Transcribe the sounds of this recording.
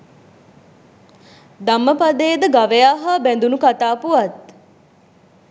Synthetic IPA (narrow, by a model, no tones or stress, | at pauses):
d̪amːəpad̪eːd̪əɡaʋejaːɦəbɛnd̪unukat̪aːpuʋat̪̚